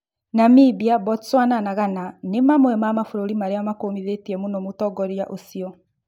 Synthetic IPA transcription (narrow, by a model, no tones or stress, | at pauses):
namibiabɔtswananaɣananemamwɛmamafoɾoɾimaɾeamakomiðetiɛmunɔmutɔɡɔɾjaʔosiɔ